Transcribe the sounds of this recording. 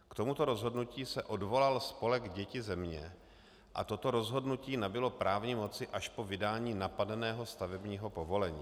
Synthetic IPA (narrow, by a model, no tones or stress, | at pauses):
kt̪o̞mut̪o̞ɾo̞zɦo̞dnuciːsɛʔo̞dvo̞lalspo̞lɛɡɟɛcɪzɛmɲɛ | ʔa̰t̪o̞t̪o̞ɾo̞zɦo̞dnuciːnabɪlo̞pɾʔaːvɲɪmo̞t͡sɪʔaʃpo̞vɪdaːɲiːnapadɛnɛːɦo̞st̪avɛbɲiːɦo̞po̞vo̞lɛɲḭː